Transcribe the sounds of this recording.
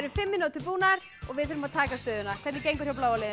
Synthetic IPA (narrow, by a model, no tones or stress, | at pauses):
ɾʏfɪmːɪnoːt̪ʏpuːnaɾ | ɔɣvɪðθɛɾʏmaðt̪ʰaːkast̪œːðʏnakʰvɛɾt̪nɪcejŋkʏɾ̥jawplaːwalɛð